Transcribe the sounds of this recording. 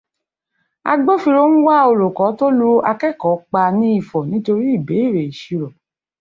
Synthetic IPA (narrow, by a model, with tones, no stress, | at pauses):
a̰˧ɡ͡bo˦fi˧ɾo˦ñ̩˦wa˦o˧ɾo˨kɔ˨˦to˦lu˦a˧kɛ˦˨kɔ˨˦k͡pa˧nĩ˦i˦˨fɔ˨nĩ˨˦to˧ɾi˦i˦˨be˨˦i˦˨ɾe˨i˨ʃi˧ɾɔ˨